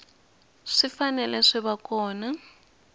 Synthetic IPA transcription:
ʂifanɛlɛʂɛβakɔːna

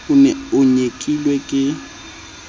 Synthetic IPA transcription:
ʊnɛʊɲekʼilwekʼɪ

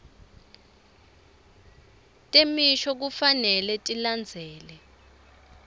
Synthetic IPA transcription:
tʼemiʃɔk̬ufanɛlɛtʼiland͡zʱɛːlɛ

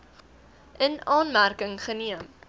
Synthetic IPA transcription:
ʔənɑːnmærkəŋχəniəm

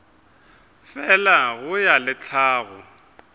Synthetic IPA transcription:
fɛlaɣʊjalɪt͡ɬʰaːɣʊ

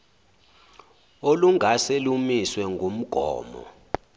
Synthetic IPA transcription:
oluŋʱaselumiswɛŋɡʱum̩ɡ̥ʱɔ̰ːmɔ̰

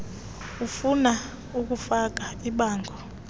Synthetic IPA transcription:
ufuna | uk̬ufak̬aiɓaːŋɡʱɔ

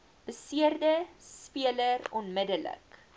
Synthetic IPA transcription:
b̥əsiərdəspiələɾɔnmədələ̰k

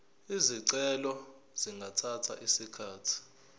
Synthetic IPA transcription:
iziǀɛlɔ | z̥iŋɡʱatʰatʰa̰ʔisikʰaːtʰi̥

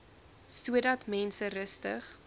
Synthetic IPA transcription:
suədɐtmɛnsərəstəχ

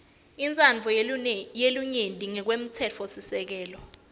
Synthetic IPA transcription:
int͡sʼand͡ɮʱɔjeluɲendʱʼiŋɛk̬wem̩t͡sʰɛt͡fʰɔsisɛk̬ɛːlɔ

